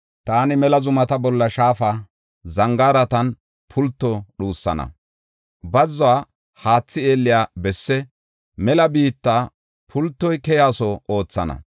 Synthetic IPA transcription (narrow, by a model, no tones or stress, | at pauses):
t̪aːnɪmɛlɐzʊmɐt̪ɐbɔlːɐʃaːfa | zɐŋɡaːɾɐt̪ɐn | pʰʊlt̪ːɔɗuːsːɐ̰nɐ̰ | bɐzːɔaː | haːt͡sːɪe̞ːlːɪjaːbɛsːɛ | mɛlɐbiːt̪ːaː | pʰʊlt̪ːɔjkɛjaːsɔo̞ːt͡sːɐ̰nɐ̰